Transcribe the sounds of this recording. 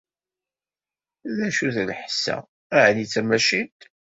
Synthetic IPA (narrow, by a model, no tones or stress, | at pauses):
ðæʃuθlħsːæ̰ | æʕnit͡sːæmæʃint̪